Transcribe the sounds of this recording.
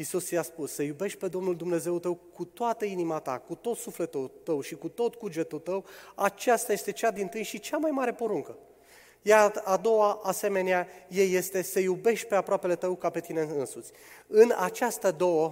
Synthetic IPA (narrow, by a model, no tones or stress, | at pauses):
isust͡siaspusːəjube̞ʃt̪̚ʲpe̞d̪o̞mnuld̪umne̞ze̞wut̪əwkut̪oat̪əinimat̪a̰kut̪o̞t̪sufle̞t̪ut̪əwʃikut̪o̞t̪kud͡ʒet̪ult̪əwat͡ʃast̪aje̞st̪e̞t͡ʃad̪int̪ɨjʃit͡ʃamajmaɾe̞po̞ɾuŋkə | jaad̪o̞waʔase̞me̞neaje̞jːe̞st̪e̞sejube̞ʃt̪̚ʲpe̞apɾoape̞le̞t̪əwkape̞t̪ineɨnsut̪sʲ | ɨnat͡ʃast̪əd̪o̞wə